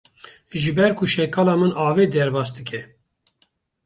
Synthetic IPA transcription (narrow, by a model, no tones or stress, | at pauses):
ʒɨbɛɾkʰuʃɛkɑːlɑːmɨnʔɑːved̪ɛɾbɑːsd̪ɨkʰɛ